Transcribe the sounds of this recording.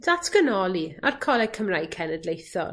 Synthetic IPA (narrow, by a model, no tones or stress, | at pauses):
d̥atʰkənɔlˠia̰rkʰɔlɛkʰəmrajkʰɛnɛdlejθɔ̰